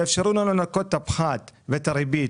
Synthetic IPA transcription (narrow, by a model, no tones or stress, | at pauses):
efʃeɾulanonakot̪ːapχat̪vet̪aɾibi